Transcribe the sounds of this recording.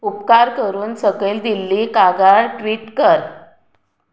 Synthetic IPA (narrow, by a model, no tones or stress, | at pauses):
upkaɾkəɾuːnsəɡeld̪ilːiːkaɡaɭʈʋiːʈkəɾ